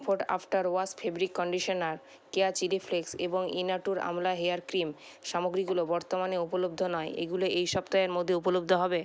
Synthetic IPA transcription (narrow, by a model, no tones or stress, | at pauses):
pʰoʈa̰fʈaɾoaspʰebɾikːɔɳɖiʃonaɾ | keat͡ɕilifʰleksḛboŋḭnaʈuɾa̰mlaɦeaɾkɾim | ʃamoɡɾiɡulobɔɾt̪omaneupolob̚d̪ʱonɔeʔḛɡuloʔejʃɔpt̪aeɾmod̪ʱːeupolob̚d̪ʱoɦɔbe